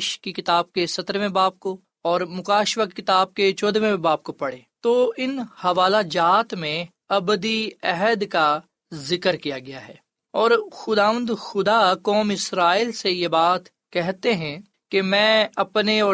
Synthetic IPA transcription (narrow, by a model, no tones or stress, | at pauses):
ʃkikɪt̪aːb̚kesɐt̪əɾʋẽbaːp̚ko | ɔːɾmʊkaːʃʋakkɪt̪aːb̚ket͡ʃɔːd̪ʋẽbaːp̚kopɐɽeːt̪oɪnhɐʋaːlad͡ʒaːt̪mẽ | ɐbəd̪iɛɦəd̪ka | zɪkəɾkijaɡɐjaɦɛː | ɔːɾxʊd̪aːʋə̃nd̪xʊd̪akɔːmɪsɾaːiːlsejebaːt̪ | kɛɦt̪eɦɛ̃ | kemɛ̃ːɐpneɔː